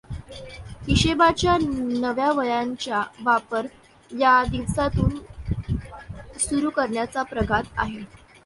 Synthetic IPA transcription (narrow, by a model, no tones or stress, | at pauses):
hiɕebat͡ɕjanəʋjaʋəjaɲt͡ɕjaʋapəɾ | jad̪iʋsat̪uːn | suɾuːkəɾɳjat͡sapɾəɡʱat̪a̰ɦe